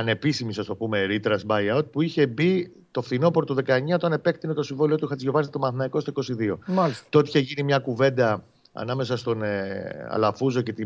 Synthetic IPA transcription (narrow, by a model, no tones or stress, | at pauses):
ɐne̞pisimisɐst̪o̞pume̞ɾit̪ɾɐsbɐjɐwt̪̚puiçe̞bi | t̪o̞fθino̞poɾot̪oðe̞kɐeɲɐot̪ɐnepe̞kt̪inet̪o̞siɱvolio̞t̪uixɐt̪izʝo̞vɐsit̪o̞mɐθnɐiko̞st̪oiko̞siðio̞malst̪ot̪i̥çeʝinimɲɐkuve̞nd̪ɐ | ɐ̰nɐme̞sɐst̪o̞neɐ̰lɐfuzo̞ce̞t̪i